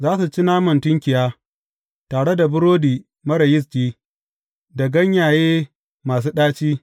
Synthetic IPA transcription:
zaː˦su˨t͡ʃi˦naː˦mɐ˨ntʊ˦ŋkʲɪ˨jaː˦ | taː˨ɽe˦da˨bʊ˦ɾoː˦diː˨ | mɐ˦ɽɐ˨jɪ˦s̬kʲiː˦ | da˨ɡɐ˦ɲjaː˨jeː˦ | maː˨s̬uː˦ɗaː˦t͡ʃiː˦

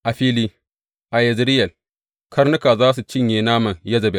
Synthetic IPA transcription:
ʔa˨ɸiː˦liː˦ | ʔa˨jɐ˨zɾɪ˦jɐ˨l | kʰɐ˦ɾnu˦ka˨zaː˦s̬u˨t͡ʃɪ˦ɲje˨naː˦mɐ˨njɐ˦zɐ˨be˨

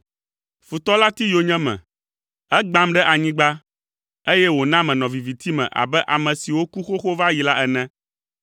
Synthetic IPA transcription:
fu˨t̪ɔ˦la˦t̪i˦jo˨ɲɛ̃˦mɛ̰̃˨ | ɛ˦ɡ͡bã˦mɖɛ˦ʔa˨ɲĩ˦ɡ͡ba˦ | e˦jɛ˦wo˨nã˦mɛ̃˨nɔ̃˨vi˨vi˨t̪i˦mɛ̰̃˨ʔa̰˨bɛ˦ʔa˨mɛ̃˨si˨wo˦ku˦xo˦xo˦va˦ji˨la˦ʔɛ˨nɛ̃˦

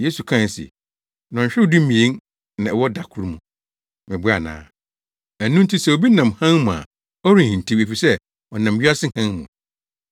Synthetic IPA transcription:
je˦su˨kʰã˦n˨sɪ̰˨ | nɔ̃˨ɲ˨ɕᶣɪ˦dʊ̃˦mĩ˨e˦n | nã˨ɛ˨wɔ˦da˨kʰʊ˦ɾmũ˨ | mɪ̃˨bʊ˦a˨nã̰ː˨˦ | æ˨nũ˦n̩˦tʰi˦sɛ˦o˨bi˦nã˨mhã˦nmũ˨a̰˨ | ɔ˦ɾĩ˨hĩ˨n˨tʰĩ˦me˨fi˨sɛ˦ | ɔ˨nã˨mɥi˦a˦sɪ˦hã˦nmṵ̃˨

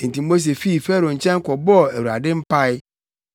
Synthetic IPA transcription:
n̩˨ti˨mo˦s̬e˨fi˦˨fe˦ɾo˨n̩˨t͡ʃɛ̃˦ŋ̩˦kɔ˨bɔ˦e˨wu˨a̰˨dɪ˦m̩˦pa˦ɪ˦

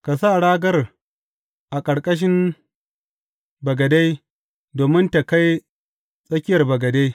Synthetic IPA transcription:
ka˨saː˦˨ɽaː˦ɡɐ˦r | ʔa˨kʼɐ˨ɽkʼɐ˦ʃ̬ɪ˦m | bɐ˨ɡɐ˨da˦j | doː˨mɪ˦nta˨ka˦j | sʼɐ˦kʲɪ˦jɐ˨rbɐ˨ɡɐ˨da˦j

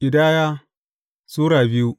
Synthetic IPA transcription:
ɪ˨daː˦jaː˦ | suː˦ɽaː˨bɪ˦ju˦

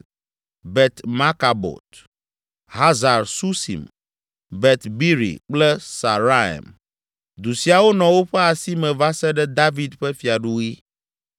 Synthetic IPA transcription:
bɛ˨t̪ma˦ka˨bɔ̰˨t̪ | ɦa˦za˨ɾsu˦sḭ˨m | bɛ˨t̪bi˦ɾḭ˨k͡plɛ˦sa˨ɾa˦ɛ̰˨m | d̪u˨si˨a˨wo˦nɔ̃˨wo˦ɸɛ˦a˨si˦mɛ̃˨va˦sɛ˦ɖɛ˦d̪a˦vi˦d̪ɸɛ˦fi˨a˨ɖu˦i˦

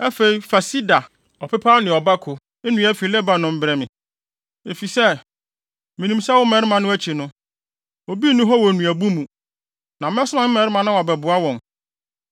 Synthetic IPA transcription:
æ˦fe˨i˨fa˨si˦da˨ | ɔ˨pʰɛ˦pʰaː˦nɪ̃˨ɔ˨ba˦kʰʊ˨ | e˦nũ˨˦æ˦fi˨lɛ˦ba˨nʊ̃˦m̩˦bɾɛ˦mɪ̃˨ | e˨fi˨sɛ˦ | mĩ˨nĩ˨msa˦wɔ˦mɛ̃˨ɾɪ˦mã˨nʊ̃˦æ˦t͡ɕʰi˨nʊ̃˦ | o˨bi˦nʊ̃˦ɦɔ˦wɔ˨nũ˨æ˨bu˦mũ˨ | nã˨m˦ɛ̃˦sʊ˦mã˦m̩˦mɛ̃˨ɾɪ˦mã˨nã˦wa˨bɛ˨bʊ˨a˦wɔ̃˨n

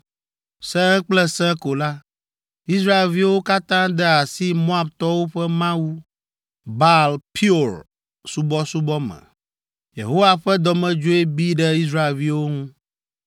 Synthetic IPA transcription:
sɛ̃˦ɛ̃˦k͡plɛ˦sɛ̃˦ko˨la˦ | i˦s̬ɾa˦e˨lvi˦wo˦ka˦t̪ã˦d̪ɛ˦a˨si˦mõ˦a˦bt̪ɔ˦wo˦ɸɛ˦mã˦wu˦ | ba˦lpʰi˦o˨ɾ | su˦bɔ˦su˦bɔ˦mɛ̰̃˨ | jḛ˨ɦo˦wa˦ɸɛ˦d̪ɔ˨mɛ̃˦d͡ʒo˦e˦bi˦ɖɛ˦i˦s̬ɾa˦e˨lvi˦wo˦ŋũ˦

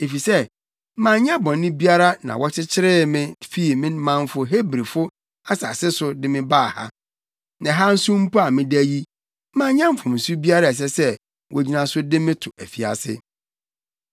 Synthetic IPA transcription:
e˨fi˨sɛ˦ | mã˨ɲã˦bɔ̃˨nː˦ɪ̃˦bi˦a˦ɾa˦nã̰˨wʔɔ˦t͡ɕʰɪ˦t͡ɕʰɪ˦ɾɪ˦mɪ̃˦fi˦˨mɪ̃˦n˦mã˨m˦fʊ˨ɦe˦bɾi˨fʊ˦ | a˦sa˨sɪ˦sʊ˦dɪ̃˦mɪ̃˦baː˦˨ha̰˦ | nã˨ɦa˦n̩˦sũ˦m̩˦pu˦a˨mɪ̃˦dæ˦ji˦ | mã˨˦ɲã˦m̩˦fʊ̃˨mn̩˨su˦bi˦a˦ɾa˦ɛ˨s̬ɛ˦sɛ˦ | wʔɔ˨d͡ʑi˦nã˨sʊ˦dɪ̃˦mɪ̃˦tʰʊ˨æ˨fi˨a̰˨sɪ̰˦

